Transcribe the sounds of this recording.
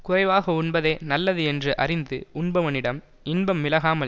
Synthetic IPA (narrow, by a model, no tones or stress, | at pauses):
kʊrɐɪʋaːɣɐʊɳbɐðeːnɐlːɐðɯɛndrɯʔɐrɪnd̪ɯʊɳbɐʋɐnɪɽɐm | ɪnbɐmːɪlɐɣaːmɐ